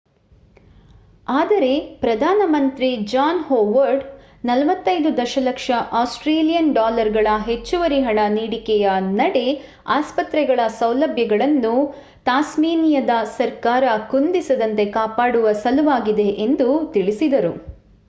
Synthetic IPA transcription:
aːd̪ɐɾe̞pɾɐd̪ʱaːnɐmɐnt̪ɾid͡ʒaːnhoːʋɐɾɖ | nɐlɐʋɐt̪ːɐjd̪ud̪ɐʃɐlɐkʂɐʔaːsʈɾeːlijɐnɖaːlɐɾɡɐɭɐɦe̞t͡ʃːuʋɐɾiɦɐɳɐniːɽikɛjɐnɐɽe | aːspɐt̪ɾɛɡɐɭɐsɐwlɐbʱjɐɡɐɭɐnːu | t̪aːsmiːnijɐd̪ɐsɐɾkaːɾɐkund̪isɐd̪ɐnt̪e̞kaːpaːɽuʋɐsɐluʋaːɡid̪e̞ʔend̪ut̪iɭisid̪ɐɾu

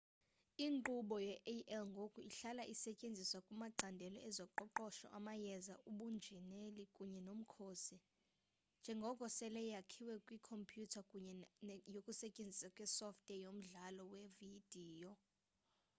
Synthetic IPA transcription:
iŋǃuɓɔjɛʔʔɛlŋɡʱokʼuiɬalaʔisɛcʼend͡zʱiswakʼumaǃʱandʱɛlɔɛzɔǃɔǃɔʃɔ̰ʔamajɛzaʔuɓund͡ʒʱɛnelikʼuɲɛnom̩kʰoːsi | nd͡ʒʱɛŋɡʱɔkʼɔsɛlɛjjakʰiwɛkʼwikʰɔmpʰʼjutʰakʼuɲɛjokʼusɛcʼend͡zʱisakʼwɛsɔftʼɛjom̩ɮalɔwevid̥ʱiːjɔ

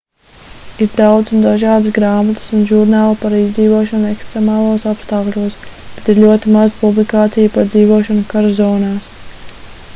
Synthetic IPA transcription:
iɾd̪awd̪sund̪aʒaːd̪ɨsɡɾaːmat̪ə̥sunʒuɾnaːlˠapaɾiːzd̪ziːvuɔʃanɛkst̪ɾemaːlˠoɔsapst̪aːklʲuɔsb̥et̪iɾlʲuɔt̪imazupublikaːt̪sijupaɾd̪ziːvuɔʃanukaɾazɔːnaːs

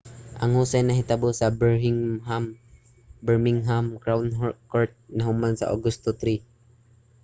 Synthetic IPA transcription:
ʔɐŋhuːsajnɐɦɪt̪abosɐbŋam | bɛɹmɪŋɦamkɾawnɦkoɹt̪̚nɐɦʊmansɐ̰ʔo̰ɡʊst̪ot̪ɾi

